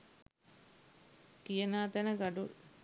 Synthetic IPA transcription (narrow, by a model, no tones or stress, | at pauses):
kijɐnaːt̪ɛnəɡɐɖul